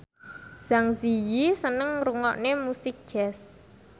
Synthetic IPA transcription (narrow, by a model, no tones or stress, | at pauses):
z̥aŋzijisənəŋruŋɔʔnemusɪk̚d̥ʒ̥ɛs